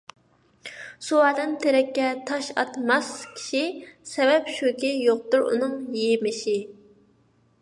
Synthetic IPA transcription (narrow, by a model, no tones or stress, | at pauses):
suɑːd̪ɨnt̪ʰeɾɛkʲːɛt̪ʰɑʃɑt̪mɑskʲʰi̥ʃisɛvɛpʃøkʲijoq̚t̪ʊɾṵnɨŋjimɪʃi